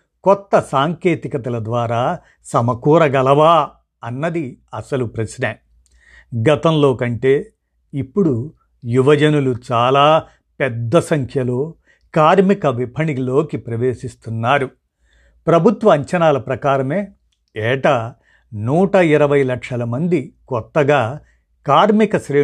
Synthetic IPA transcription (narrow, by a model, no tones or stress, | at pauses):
kɔt̪ːɐsaːŋke̞ːt̪ikɐt̪ɐlɐd̪ʋaːɾaː | sɐmɐkuːɾɐɡɐlɐʋaː | ɐnːɐd̪iɐsɐlupɾɐsne | ɡɐt̪ɐmlo̞ːkɐɳʈe̞ː | ipːuɽu | juʋɐd͡ʒɐnulut͡ʃaːlaː | pɛd̪ːɐsɐŋkʰjɐlo̞ː | kaːɾmikɐʋipʰɐɳilo̞ːkipɾɐʋe̞ːʂist̪unːaːɾu | pɾɐbʱut̪ʋɐːɲt͡ʃɐnaːlɐpɾɐkaːɾɐmeː | ɛːʈa | nuːʈɐiɾɐʋɐjlɐkʂɐlɐmɐnd̪ikɔt̪ːɐɡaː | kaːɾmikɐʃɾeː